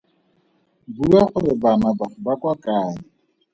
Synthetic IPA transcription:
buaχʊrɪbanabaʊbakwakaːɲɪ

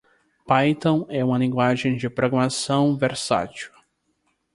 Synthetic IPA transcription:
pajt̪õw̃ɛũmɐlĩŋɡwaʒẽj̃d͡ʒɪpɾoɡɾamasɐ̃w̃veɾsa̰t͡ʃʊ̥

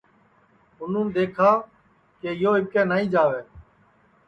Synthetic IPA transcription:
ʊn̤ũːnd̪eːkʰaː | keːɪjoːɪkẽːnaːĩːd͡ʒaːʋeː

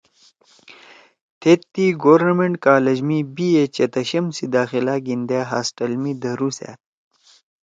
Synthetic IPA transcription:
t̪ʰet̪ːiɡoɾnɐmeɳʈkaːlɐd͡ʑmibiet͡ɕɐt̪ɐɕɐmsid̪aːxilaɡind̪eːɦaːsʈɐlmid̪ɐɾusḛːt̪̚

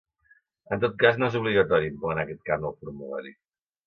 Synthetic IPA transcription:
ənt̪̬ot̪̚kaznoezuβ̞liɣət̪ɔɾiimpɔnakɛt̪̚kanowpuɾmuβɛ̰ɾi

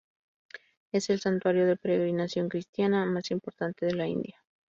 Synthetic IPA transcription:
e̞se̞lsant̪waɾjo̞ðe̞peɾe̞ɣɾinasjo̞ŋkɾist̪janamasimpo̞ɾt̪ant̪e̞ð̞e̞laḭnd̪ja

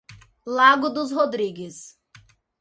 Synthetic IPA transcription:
laɡʊd̪ʊzhod̪ɾiɡɪs

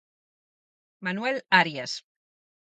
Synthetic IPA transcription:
manuwelaɾjas

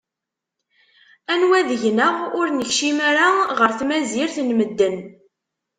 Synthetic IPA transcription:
ænwæðəʝnəʁʊɾnəçʃimæɾaʁəɾθmæziɾθnməd̪ːən

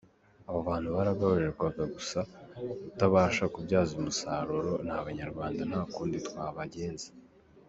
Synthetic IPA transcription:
aβaβaːn̥huβaɾaɡaβuɾeɾɡwaɡaɡusaβutaβaːʃakubjaːzumusaːɾuɾo̞n̥haːβaɲaɾɡwaːndan̥haːkuːnditwaːβaɟe̞ːnze̥

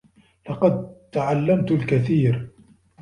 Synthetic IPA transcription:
lɑqɑd̪̚t̪aʕalːamt̪ʊlkaθiːɾ

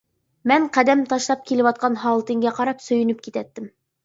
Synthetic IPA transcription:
mæɴqæd̪æmt̪ɑʃlˠɑp̚kilɘpɒt̪̚qɑnɦɑwɤlˠt̪ɘ̆ŋɡæqɑɾɑpsɵ̆jɵ̆nɵp̚kit̪æt̪ːɘm

